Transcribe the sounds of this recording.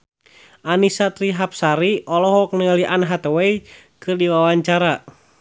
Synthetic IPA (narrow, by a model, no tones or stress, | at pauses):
ʔanisat̪ɾiɦap̚saɾiɔlɔhwɔk̚nəŋəliʔanɦat̪ɛwɛi | kɨrdiwawaɲt͡ʃaɾa